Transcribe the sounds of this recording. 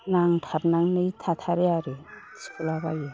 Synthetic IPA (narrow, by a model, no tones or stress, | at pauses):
naŋtʰap̚naŋnɯjtʰatʰaɾeaɾeskʰulabaje